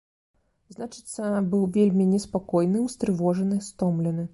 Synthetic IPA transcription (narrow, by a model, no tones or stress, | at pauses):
znat͡ʂɨ̥t̪sːɐbɨwvʲelʲmʲinʲɛspakɔjnɨwst̪ɾɨvɔʐɐnɨst̪ɔmlʲɛnɨ